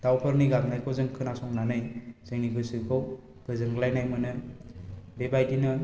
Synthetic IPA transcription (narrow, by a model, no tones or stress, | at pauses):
d̥awpʰɯɾniɡaŋnajkʰɔzɯŋkʰɯnasɔŋnanɯjz̥ɯŋniɡɯsɯkʰɔw | pɯzɯŋɡɯlajnajmɯnɯ | bebajdinɯ